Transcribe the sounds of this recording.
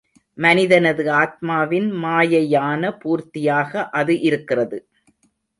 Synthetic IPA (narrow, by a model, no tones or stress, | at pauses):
mɐnɪðɐnɐðɯaːt̪̚maːʋɪnmaːjɐjaːnɐpuːɾt̪ɪjaːɣɐʔɐðɯʔɪɾɯkːɪrɐðɯ